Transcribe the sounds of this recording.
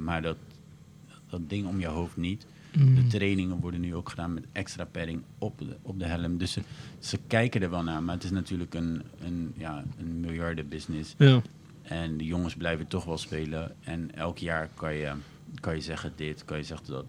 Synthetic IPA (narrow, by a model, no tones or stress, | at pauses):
maːɹdɔt | dɔtdɪŋɔmjəɦowftnit | dətrejnɪŋənʋɔɹdənyowkχədaːnmɛtʔɛkstraːpɛɾɪŋɔpɔp̚dəɦɛləmdɵssəkɛjkəndəɹʋɛlˠnaːmaːətɪsnatyːɹləkənənjaːənmɪlˠjɑɹdəbɪsnɪs | ɛndəjoŋəsblɛjvətɔχʋɛlˠspeːləɛnɛlˠkjaːɹkɑnjə | kɑnjəzɛχədɪtkɑnjəzɛχədɔt